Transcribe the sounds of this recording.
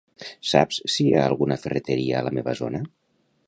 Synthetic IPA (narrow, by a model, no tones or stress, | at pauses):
sa̰pssiaəlˠɣunəfərət̪əɾiəːləmeβəzonə